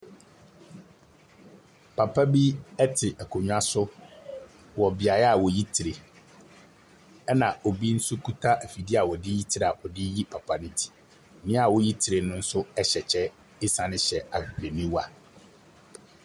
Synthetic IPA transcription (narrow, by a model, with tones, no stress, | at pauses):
pʰa˨pʰa˦bi˦ɛ˦tʰɪ˨ʔɛ˨kʰo˨ɲᶣ˦a˦sʊ˦ | wɔ˨bɪ˨a˨jɛ˦a˨wɔ˨ji˦tʰi˨ɾe˨ | ɛ˦nã˨o˨bi˦n̩˦sʊ˦kʰu˦tʰa˦ʔæ˨fi˨di˦a˨wɔ˨dɪ˦ji˦tʰi˦ɾa˨ʔɔ˨dɪ˦ji˦pʰa˨pʰa˨nɪ̃˦tʰi̥˨ | nɪ̃˦a˨wɔ˨ji˦tʰi˨ɾe˨nʊ̃˦n̩˦sʊ˦ɛ˦ɕɛ˨t͡ɕʰɛ˦ | ɪ˦sã˨nɪ̃˦ɕɛ˨a˨be˨nĩ˦wa˨